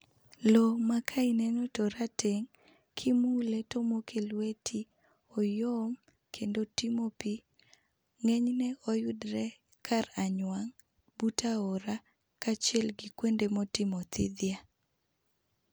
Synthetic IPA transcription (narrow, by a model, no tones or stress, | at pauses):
lomakʰainɛnɔtɔɾatʰeŋ | kʰɪmuletomokʰelwetʰi | ɔjom | kʰendotimopi | ŋɛɲnɛojʊdɾɛ | kʰaraɲwaŋ | butaɔɾa | kat͡ʃjɛlɡikwendemotɪmɔt̪ɪd̪ja